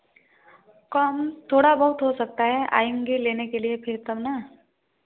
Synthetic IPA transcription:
kəmt̪ʰoːɽabəɦut̪ɦosək̚t̪aɦɛʔa̰ːjuŋɡilenekeliepʰɪɾt̪əmna

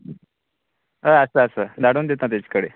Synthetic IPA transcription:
əəsəːsəd̪ʱaɽuːnd̪et̪nat̪̬at͡ɕkəɽḛ

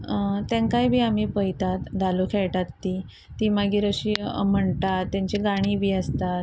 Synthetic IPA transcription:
t̪jãŋkajbʱiːamiːpəjt̪at̪d̪ʱalukʰɛɭʈat̪ːiː | t̪iːmaɡiːɾəɕiːm̤əɳʈat̪ːjaɲt͡ɕeɡaɽ̃ibʱiːəst̪at̪

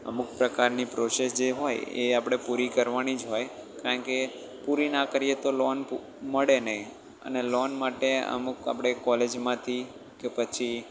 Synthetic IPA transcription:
ə̰muk̚pɾəkaɾnipɾosesd͡ʒeɦojḛapɽ̃epuɾikəɾʋanid͡ʒɦojkaɾəɳke | puɾinãkəɾijet̪olɔnp | məɭenəɦĩ | ə̰nelɔnmaʈeə̰muka̰pɽ̃ekɔled͡ʒmãt̪ʰi | kepət͡ʃʰi

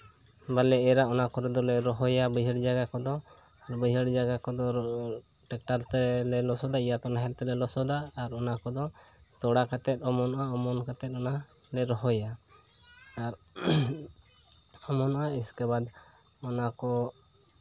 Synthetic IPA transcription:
balɛɛɾaɔnakɔɾɛd̪ɔlɛɾɔɦɔjabəjɦəɽd͡ʒaɡakɔd̪ɔ | bəjɦəɽd͡ʒaɡakɔd̪ɔ | ʈɛk̚ʈaɾt̪ɛlɛlɔsɔd̪aijat̪ɔnaɦɛlt̪ɛlɛlɔsɔd̪aːɾɔnakɔd̪ɔ | t̪ɔɽakat̪ɛt̪̚ɔmɔnɔaɔmɔnkat̪ɛt̪̚ɔna | lɛɾɔɦɔjaː | ɾ | ɔmɔnɔʔaiskabad̪ | ɔnakɔ

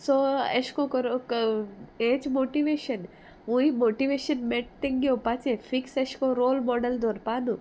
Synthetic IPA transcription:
soɐ̰ʃkõkɔɾok | et͡ʃmoːʈiʋeːʃɐn | ujmoːʈiʋeːʃɐnmeʈ̚t̪eŋɡiopat͡ʃẽfiksɐʃkõɾoːlmɔɖɐld̪oːɾpaːnu

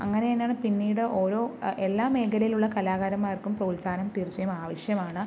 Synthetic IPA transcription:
ɐ̰ŋːɐnejenːaːɳɨpinːiːɽɨʔo̞ːɾo̞ːelːaːme̞ːkɐlɐjiluɭːɐkɐlaːɣaːɾɐmːaːjɐrkːumprɐulsaːnɐmt̪irt͡ɕːɐjumaːʋɐɕjɐmaːɳɨ

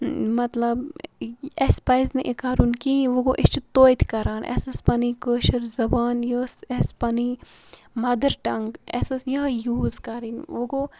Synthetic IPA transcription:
mɐt̪lɐb | espajzneʔikaːɾunkiʋoɡoʔɪst͡ʃut̪oːjt̪ʰkɐɾaːnʔɛ̰sɐspɐnikəːʃɐɾzɐbaːnjəsespɐni | mɐd̪əɾʈɐŋɡɛ̰sɐsjəjuːzkɐɾinʋoɡo

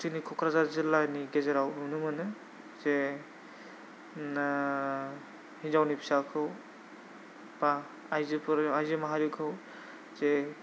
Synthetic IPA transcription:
tʰinikʰɔkʰɾazazɯlaniɡezeɾawunɯmɯnɯ | z̥e | n | hinzawnipʰi̥sakʰɯw | b̥aː | jzɯpʰɯɾajzɯmaɦaɾikʰɯw | z̥e

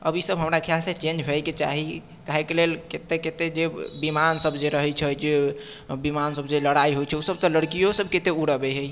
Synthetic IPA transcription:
ə̰bʱisəbɦəmɾakʰjalset͡ʃend͡ʒɦɛjket͡ʃa̰ɦi | kaɦekelelket̪eket̪ed͡ʒebimansəbʱd͡ʒeɾəɦɛt͡ʃʰɛd͡ʒe | bimansəbd͡ʒeləɽaiɦojt͡ʃʰɛusəb̚t̪ɔləɽkijosəbket̪euɽəbɛɦɛj

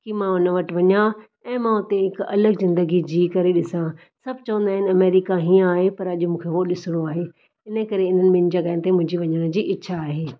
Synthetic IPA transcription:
kimãʊnəʋɐʈʋɐɲã | ɛ̃ːmãʊt̪eɦɪkɐ̰ləɡzɪ̃nd̪əɡid͡ʑiːkɐɾeɗɪsã | sɐb̚ʱt͡ɕɐʋə̃nd̪aːɦɪn̆ɐmeːɾɪkaɦiːə̃aːɦepɐɾɐʄʊmũːkʰeɦoɗɪsɪɽ̃oaːɦeː | ɪnə̆kɐɾeɪn̤ənɪ̆mɪn̆d͡ʑɐɡaːɪnɪt̪emʊ̃ɦɪ̃ɲd͡ʑiʋɐɲəɽ̃d͡ʑiːʔɪtːʃʰaːɦeː

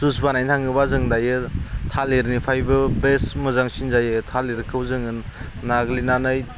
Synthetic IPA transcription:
z̥us̬banajntʰaŋɯbazɯŋdajɯtʰaleɾnipʰajbɯbesmɯzaŋsinzajɯtʰaleɾkʰɯwzɯŋɯnː | aɡlinanɯj

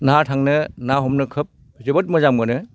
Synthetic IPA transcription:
natʰaŋnɯnaɦɔmnɯkʰɯp̚ | zibɐt̚mɔzaŋbɯnɯ

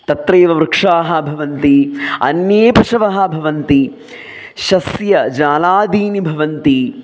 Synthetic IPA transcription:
t̪ɐt̪ɾeːʋɐmɾɨkʂaːɦɐ̆bʱɐʋɐnt̪iɐ̰njeːpɐʃɐʋɐɦɐ̆bʱɐʋɐnt̪i | ʃɐsjɐd͡ʒaːlaːd̪iːnibʱɐʋɐnt̪i

